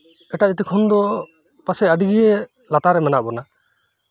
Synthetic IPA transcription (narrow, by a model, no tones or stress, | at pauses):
ɛʈad͡ʒɛt̪ikʰɔnd̪ɔ | pasɛəɖiɡiɛ | lat̪aɾɛmɛnaʔbɔna